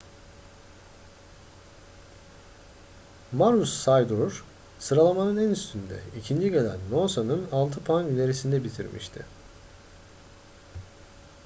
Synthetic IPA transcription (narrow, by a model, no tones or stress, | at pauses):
maɾusːajd̪uɾ̥ | sɯɾalˠamanɯnænyst̪ʰynd̪ɛ̰icʰind͡ʒiɟelʲæ̰nːosanɯnalˠt̪ʰɯpʰanilʲe̞ɾisind̪ɛbit̪ʰḭɾmʔḭʃt̪ʰɪ̰